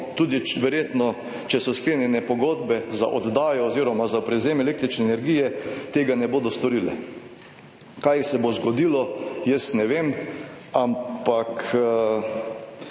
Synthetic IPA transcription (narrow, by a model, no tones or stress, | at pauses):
t̪uːd̪iʋɛɾjeːt̪nɔ | t͡ʃɛsɔskleːnjɛnɛpɔɡoːd̪bɛza̰ʔod̪d̪aːjɔːziːɾɔmazapɾɛwzemelek̚t̪ɾit͡ʃnɛːnɛɾɡijɛt̪eːɡanɛboːd̪ɔst̪ɔɾilɛ̰ | kajsɛbozɡɔd̪ilɔjɛsnɛʋem | ampak